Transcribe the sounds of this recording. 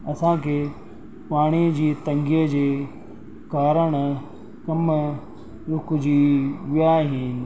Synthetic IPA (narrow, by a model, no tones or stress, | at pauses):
ɐsãkʰeː | paːɽ̃id͡ʑiːt̪ɐ̃ŋɡijəd͡ʑeː | kaːɾəɽ̃ | kɐm | ɾʊkd͡ʑiʋɪjaɦiːn̆